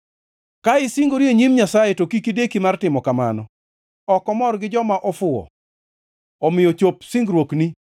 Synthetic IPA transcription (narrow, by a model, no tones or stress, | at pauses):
kaɪsiŋɡoɾieɲimɲasajetokikidekimartɪmɔkama̰nɔ | ɔkɔmɔrɡɪd͡ʒɔmaʔɔfʊɔ̰ | ɔmɪjɔt͡ʃopsiŋɡɾwokni